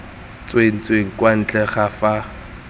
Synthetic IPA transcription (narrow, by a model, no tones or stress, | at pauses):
t͡sʼwen̩t͡sʼweŋ̩kʼwan̩t͡ɬʼɛχafa